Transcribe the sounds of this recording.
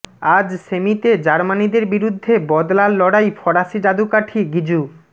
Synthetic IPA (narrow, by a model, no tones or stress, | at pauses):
ad͡ʑʃemit̪ed͡ʑaɾmanid̪eɾbiɾud̪ʱːebɔd̪lalːɔɽajfɔɽaʃid͡ʑad̪ukaʈʰiɡid͡ʑu